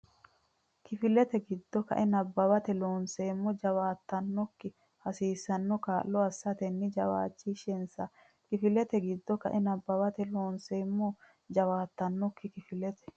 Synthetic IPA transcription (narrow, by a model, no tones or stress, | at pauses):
kɪfɪlɛt̪ɛɡɪd̪ːɔkɐ̰ʔɛnɐbːɐβɐt̪ɛloːnseːmːɔd͡ʒɐwaːt̪ːɐnːɔkːɪ | hɐsiːsːɐnːɔkaːʔllːɔɐsːɐt̪ɛnːɪd͡ʒɐwa̰ːt͡ʃːiʃɛnsɐ | kɪfɪlɛt̪ɛɡɪd̪ːɔkɐ̰ʔɛnɐbːɐbɐt̪ɛloːnse̞ːmːɔ | d͡ʒɐwaːt̪ːɐnːɔkːɪkɪfɪlɛt̪ɛ̥